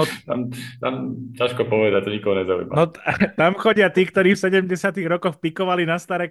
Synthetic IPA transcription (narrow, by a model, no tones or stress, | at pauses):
nɔt̪a̰mt̪a̰mcaʃkɔpɔʋɛd̪ac̚t̪ɔɲikɔɦɔɲɛzaṵjima̰nɔt̪amxɔɟɪat̪iːkt̪ɔɾiːfsɛɟɛmɟɛsɪat̪iɣɾɔkɔxpikɔʋalinast̪aɾɛk